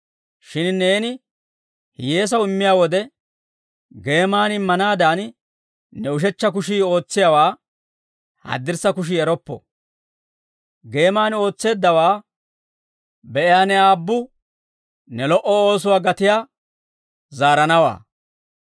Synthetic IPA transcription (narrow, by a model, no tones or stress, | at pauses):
ʃɪnne̞ːnɪ | hɪjeːs̬ɐwɪmːɪjaːwɔd̪ɛ | ɡe̞ːmaːnɪmːɐnaːd̪aːn | nɛʊʃ̬ɛt͡ʃːɐk̬ʊʃiːo̞ːt͡sːɪjawaː | hɐ̰d̪ːɪɾsɐkʊʃ̬iɛɾɔpːɔ̰ | ɡe̞ːmaːno̞ːt͡sːe̞ːd̪ːɐwaː | bɛʔɪjaːnɛaːbːʊ | nɛlɔʔɔo̞ːs̬ʊwaːɡɐt̪ɪjaː | zaːɾɐnɐwa̰ː